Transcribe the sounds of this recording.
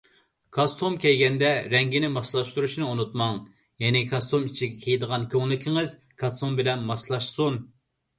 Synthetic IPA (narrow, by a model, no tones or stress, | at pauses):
kʰɑst̪ʰumkʲɛjɡʲɛnd̪ɛɾɛŋɡʲinɪmɑʃlˠɑʃt̪uɾuʃnɨunut̪mɑŋ | jɛnɪkʰɑst̪ʰumit͡ʃʰiɡʲɛkʲʰejd̪əʁɑnkʲʰøŋlɪkʲʰiŋɨz | kʰɑst̪umbɪlɛnmɑslˠɑʃsun